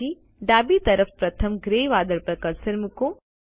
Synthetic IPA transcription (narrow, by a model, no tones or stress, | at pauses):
i | ɖaːbit̪ɐɾəfpɾɐt̪ʰəmɡɾeːʋaːd̪əɾpɐɾkəɾsəɾmɪko